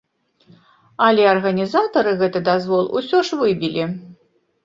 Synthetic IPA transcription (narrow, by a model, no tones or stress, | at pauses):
ɐlʲɛɐrɣɐnʲizat̪ɐɾɨɣɛt̪ɨd̪azvɔlˠṵsʲɔʂvɨbʲilʲi